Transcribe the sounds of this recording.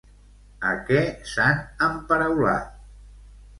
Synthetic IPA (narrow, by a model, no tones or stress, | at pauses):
ə̰kɛsanəmpəɾəwla̰t̪